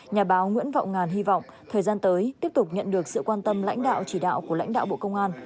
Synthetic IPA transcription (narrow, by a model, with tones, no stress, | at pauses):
ɲaː˨˩ɓaː˨˦wŋwḭ˧˥ənva̰˧˨wŋ͡mŋaː˨˩nɦi˧vɔ̰˧˨wŋ͡m | t̪ʰəː˨˩jzaː˧nt̪əː˨˦jt̪i˦˥əp̚t̪ʊ˨˩k͡p̚ɲə̰˧˨nɗɨ˨˩ək̚sɨ̰˧˨kwaː˧nt̪ə˧mla̰˧˥jŋ̟ɗa̰ː˧˨wt͡ɕi˧˩ɗa̰ː˧˨wku˧˩əla̰˧˥jŋ̟ɗa̰ː˧˨wɓo̰˧˨kə˧wŋ͡mʔaː˧n